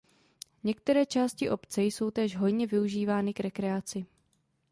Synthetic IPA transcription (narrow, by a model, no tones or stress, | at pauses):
ɲɛk̚t̪ɛɾɛːt͡ʃaːscɪʔo̞pt͡sɛjso̞wt̪ɛːʒɦo̞jɲɛvɪuʒiːvaːnɪkɾɛkɾɛat͡sɪ